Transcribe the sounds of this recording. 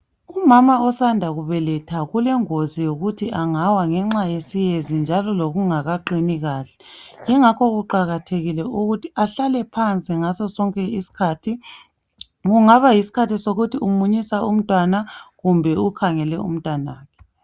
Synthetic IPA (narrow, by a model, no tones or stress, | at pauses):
umamaɔsandʱaɣuβɛlɛtʰaɣulɛŋozijoɣutʰiʔaŋawaŋɛŋ͡ǁajesijezind͡ʒʱalɔloɣuŋaɣaǃiniɣaːɬɛiŋakʰɔɣuǃaɣatʰeɣilɛuɣutʰiaɬalɛpʰant͡sʼiŋasɔsɔŋkʼɛisi̥kʰaːtʰi | ɣuŋaβajisi̥kʰatisoɣutʰiumuɲisaum̩tʼwanaɣumbʱɛukʰaŋɛlɛ̰ṵm̩tʼwanwaːkʰɛ̥